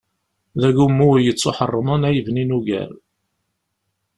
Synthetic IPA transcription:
ðæʝumːujət͡sːoħərˤːəmənæjəvninuʝæ̰ɾ

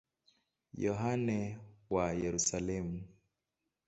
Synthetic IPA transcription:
jɔɦanɛwajɛɾusalɛmu

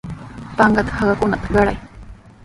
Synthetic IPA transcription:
paŋɢat̪ḁhaɢakʊnat̪ḁɢɑɽaj

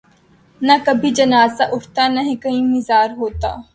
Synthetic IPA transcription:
nɐkɐbʱid͡ʒɐnaːzaʔʊʈt̪anɐɦĩkɐĩmɪzaːɾɦoːt̪a̰ː

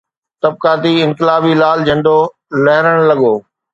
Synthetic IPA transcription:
t̪ɐb̚kaːt̪iɪ̃ŋkɪlaːbilaːld͡ʑɐ̃ɳɖo | lɐɦɪɾəɽ̃lɐɠoː

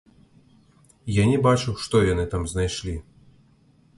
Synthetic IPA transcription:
janʲɛbat͡ʂɨwʂt̪ɔjanɨt̪amznajʂlʲi

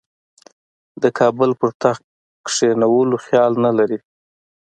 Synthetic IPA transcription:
d̪əkʰɑbəlpəɾt̪ax | kʂenawəloxjɑlnalaɾi

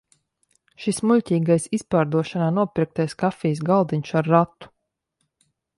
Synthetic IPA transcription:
ʃismuʎʲtʲiːɡajsispaːɾd̪uɔʃanaːnuɔpɾik̚t̪ajskafʲijsɡalˠd̪iɲʲʃaɾːat̪ːu̥

